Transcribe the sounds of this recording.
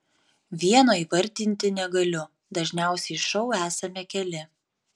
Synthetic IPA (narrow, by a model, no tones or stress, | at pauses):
ʋʲiɛnoːiːʋɐɾʲˑt̪ʲɪnʲt̪ʲɪnʲɛɡɐlʲʊ | d̪ɐʒʲnʲæˑʊsʲɛɪʃɒʊæːsɐmʲɛkʲɛlʲɪ